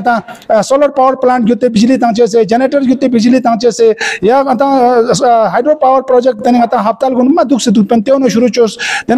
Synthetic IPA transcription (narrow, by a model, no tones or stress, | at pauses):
t̪ãːsoləɾpawəɾplaːɳʈ̚ɡʲut̪ːebid͡ʒlit̪ãːt͡ʃes̬ed͡ʒeneʈəɾɡʲut̪ːebid͡ʒlit̪ãːt͡ʃesejaɐt̪ãː | ɦajɖɾopawəɾpɾod͡ʒek̚ʈt̪ɐniɡɐt̪ãːɦɐpt̪aːlɡuɳɖmːãd̪ukʰsid̪ukpɐnʲt̪ewnoʃuɾut͡ʃʰost̪en